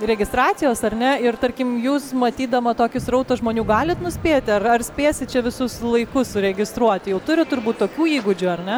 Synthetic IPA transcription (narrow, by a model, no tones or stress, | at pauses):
ɾʲɛɡʲɪst̪ɾɑːt͡ssʲɪjoːsɐrʲnʲɛɪrt̪ɐɾʲkʲɪmjuːsmɐt̪ʲiːd̪ɐmɐt̪oːkʲɪsrɔʊt̪osʒmoːnʲuːɡɑːlʲɪt̪nʊsʲpʲeːt̪ʲɪɐrɐrsʲpʲeːsʲɪtt͡ʃʲɛʋʲɪsʊslˠɐɪkʊssʊɾʲɛɡʲɪst̪ɾuɔt̪ʲjɛʊt̪ʊɾʲɪt̪ʊɾbuːt̪t̪oːkʲuːiːɡʊd͡ʒʲʊɐɾnʲɛ